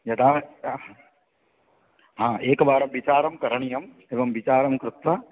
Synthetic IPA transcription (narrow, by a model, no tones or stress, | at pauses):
jɐt̪ʰaː | ɦãːʔeːkbaːɾɐmʋit͡ʃaːɾɐmkɐɾɐɳijɐm | eːʋɐmʋit͡ʃaːɾɐmkɾut̪ʋɐ